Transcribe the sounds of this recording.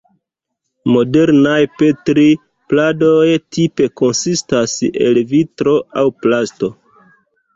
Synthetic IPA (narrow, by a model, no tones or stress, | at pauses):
mo̞de̞ɾnajpe̞tɾi | plado̞jtipe̞ko̞nsistase̞̰lvitɾo̞awplasto̞